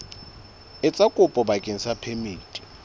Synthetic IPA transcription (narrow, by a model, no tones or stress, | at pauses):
ɪt͡sʼakʼʊpʼɔbakʼɪn̩sapʰemiːtʼi̥